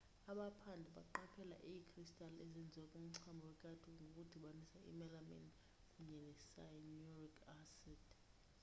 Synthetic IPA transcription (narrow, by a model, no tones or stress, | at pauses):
aɓapʰandʱɛɓa̰ǃapʰɛla̰ʔijikʰristʼalezind͡zʱiwakʼum̩ǀʰambʱɔwɛkʼadʰuŋɡʱokʼud̥ʱiɓanisaḭmɛlamɛ̰n | kʼuɲɛlɛsanɔrikʰʼasɛd̥